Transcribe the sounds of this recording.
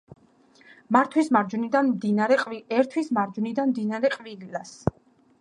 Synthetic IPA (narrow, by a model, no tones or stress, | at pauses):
maɾt̪ʰwismaɾd͡ʒunid̪anmd̪inaɾɛqʼviɛɾt̪ʰwismaɾd͡ʒunid̪anmd̪inaɾɛqʼvililas